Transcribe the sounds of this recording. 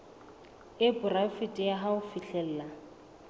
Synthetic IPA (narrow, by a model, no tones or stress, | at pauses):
ɪbʼʊrafitʼɪjaɦaʊfiɬɛl̩ːla